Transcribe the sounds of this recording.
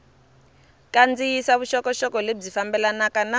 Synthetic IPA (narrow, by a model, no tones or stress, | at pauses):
kʼand͡zijisaβuʃɔkɔʃɔkɔleb͡ʐifambɛlanakana